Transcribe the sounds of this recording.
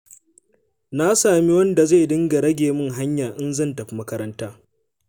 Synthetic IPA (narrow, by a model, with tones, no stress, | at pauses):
na˦saː˨mi˦wɐ˦nda˨za˦˨dɪ˦ŋɡa˨ɽɐ˦ɡʲeː˨mɪ˦ŋɦa˦ɲjaː˨ʔɪ˦nzɐ˦˨ntɐ˨ɸi˦mɐ˦kɐ˦ɾɐ˦ntaː˦